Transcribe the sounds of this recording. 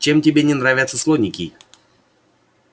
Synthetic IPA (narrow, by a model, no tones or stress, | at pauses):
t͡ɕemtʲɪbʲenʲɪnɾavʲat̪sːəslˠonʲɪkʲɪ